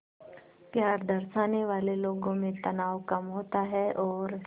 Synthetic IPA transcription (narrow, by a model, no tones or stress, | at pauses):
pjaːɾd̪ɐɾʃaːneʋaːleloːɡõmẽt̪ɐnaːʋkɐmɦoːt̪aɦɛʔɔːɾ